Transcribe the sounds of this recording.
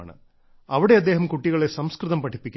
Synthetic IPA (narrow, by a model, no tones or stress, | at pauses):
ɳɨ̰ | ɐʋiɽe̞ɐd̪ːeːɦɐmkuʈːiɣɐɭe̞sɐmskrɨðɐmpɐʈʰːi̥pːikʲː